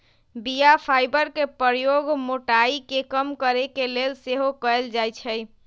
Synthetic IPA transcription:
bijapʰajbəɾkepɾəɾjoɡmoʈaikekəmkəɾekelelseɦokəeld͡ʒajt͡ʃʰəj

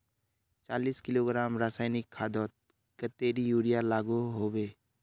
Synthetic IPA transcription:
t͡ʃaːliːskɪloːɡɾaːmɾaːsaːɪnɪkʰːaːd̪ɔːt̪̚ | kət̪ːeːɾijuːɽijalaːɡuɦoːweː

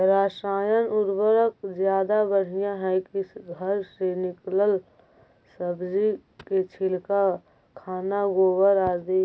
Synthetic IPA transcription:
ɾaːʃaːjənʊɾbəɾəkd͡ʒjaːd̪abəɽ̤ijãɦɛkiɡʱəɾsenɪkləl | səbd͡ʒiket͡ʃʰɪlka | kʰaːnaɡoːwəɾaːd̪i

